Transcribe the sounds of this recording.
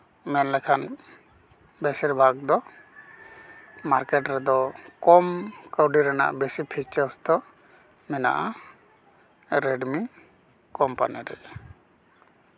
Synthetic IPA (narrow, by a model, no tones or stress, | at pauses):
mɛnlɛkʰan | bɛsiɾbʱaɡ̚d̪ɔ | maɾkɛʈɾɛd̪ɔkɔmkəwɖiɾɛna̰ʔbɛsipʰit͡ʃaɾsd̪ɔ | mɛna̰ʔa | ɾɛɖmi | kɔmpa̰nɛɾɛʔ